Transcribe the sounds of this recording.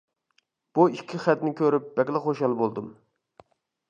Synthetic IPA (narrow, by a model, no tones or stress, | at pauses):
b̥uikʲʰːiχæt̪nɪkʲʰøɾyp̚b̥ɛkʲlˠɛχoʃɑlˠbolˠd̪ɨm